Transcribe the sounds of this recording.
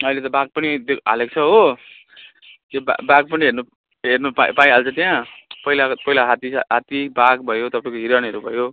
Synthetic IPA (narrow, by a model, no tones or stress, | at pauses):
ʌilet̪ʌbaɡ̚pʌnid̪ea̰lek̚t͡sʰʌɦo | t̪jeba̰baɡpʌniɦernu | ɦernupapaĩalt͡sʰʌt̪ijãpʌilapʌilaɦat̪iɦat̪ibaɡbʱʌjot̪ʌpaĩkoɦiɾʌnɦʌɾubʱʌjo